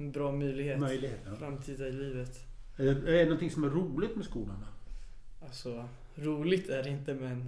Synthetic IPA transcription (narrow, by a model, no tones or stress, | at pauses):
ɛnbɾɑːmœjlɪɡheːmœjlɪɡeːt̪fɾamt̪ʰiːd̪aɪliːvət̪ɛɛɛɛnɔnt̪ɪŋsɔmæɾuːlɪt̪mɛskuːlaɳa | alsɔ | ɾuːlɪɡt̪ʰæɾɪnt̪əmɛn